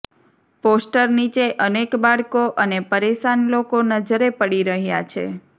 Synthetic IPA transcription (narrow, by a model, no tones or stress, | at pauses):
posʈəɾnit͡ʃeʔənekbaɭkoʔənepəɾeʃanlokonəd͡ʒəɾepəɽiɾəɦja̰t͡ʃʰḛ